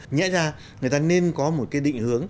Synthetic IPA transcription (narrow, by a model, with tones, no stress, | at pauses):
ɲɛ̰˧˥zaː˧ | ŋɨ˨˩əjt̪aː˧ne˧nkɔ˨˦mo˨˩t̚kaː˨˦jɗḭ˧˨ŋ̟hɨ˨˦əŋ